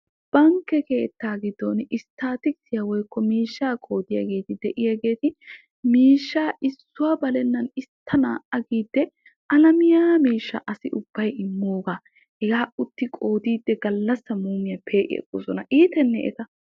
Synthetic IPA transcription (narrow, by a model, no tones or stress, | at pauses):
b̥ɐŋkːɛke̞ːt̪ːaːɡɪd̪ːonɪst̪aːt̪ɪksɪjawɔjkːɔmiːʃːaːkʼo̞ːd̪ɪjɐ̰ɡe̞ːt̪ɪd̪ɛʔɪjaɡe̞ːt̪ɪ | miːʃːaːʔɪsːʊabɐlɛnːɐnɪst̪ʰːɐna̰ːʔɐɡiːd̪ːɛ | ʔɐlɐmɪjaːmiːʃːɐʔɐsɪʔʊb̥ːɐjɪmːoːɡaː | hɛɡaːʔʊt̪ːɪkʼo̞ːd̪iːd̪ːɛɡɐlːɐsːɐmuːmɪjɐpʰe̞ːʔɪ̰ɛ̰kʼːo̰sɔnɐʔiːt̪ɛnːɛ̰ʔɛ̰t̪ɐ